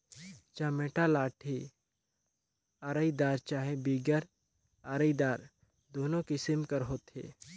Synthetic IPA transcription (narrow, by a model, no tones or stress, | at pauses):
t͡ʃameːʈalaːʈʰi | aɾəid̪aːɾt͡ʃaːɦebiːɡəɾ | aɾəid̪aːɾ | d̪oːnõkɪsɪmkəɾɦoːt̪ɦḛː